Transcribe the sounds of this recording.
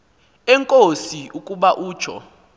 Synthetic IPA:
ɛŋkʼosiukʼuɓaʔuːd̥ʒ̥ʱɔ̰

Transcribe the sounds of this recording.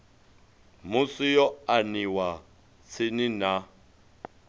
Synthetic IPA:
musijɔaniwa | t͡sʰinina

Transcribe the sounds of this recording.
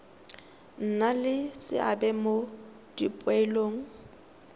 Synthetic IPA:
n̩nalɪsɪ̰ʔa̰bɛmo | d̥ipʼwaɪloːŋ̩

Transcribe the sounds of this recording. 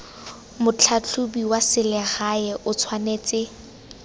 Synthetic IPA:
mʊt͡ɬʰat͡ɬʰʊbiwasɪlɛɣaɛʔʊt͡sʰwaneːt͡sʼɪ

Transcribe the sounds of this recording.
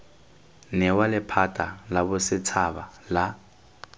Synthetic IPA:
nɛwalɪpʰatʼalabʊsɪt͡sʰabala

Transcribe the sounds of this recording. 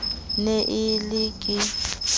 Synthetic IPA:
neʔiliːkʼi

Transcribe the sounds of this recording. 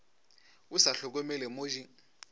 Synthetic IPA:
usaɬɔk̬omɛlɛmoːʒi

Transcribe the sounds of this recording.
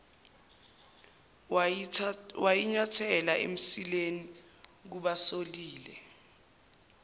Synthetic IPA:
wajiɲatʰɛlaʔḛm̩sileni | k̬uɓasoliːlɛ̰

